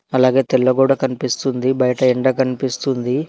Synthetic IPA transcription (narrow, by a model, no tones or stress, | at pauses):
ɐlaːɡe̞ːt̪ɛlːɐɡuːɽɐkɐnipist̪und̪ibɐjɐʈɐɛɳɖɐkɐnipist̪und̪i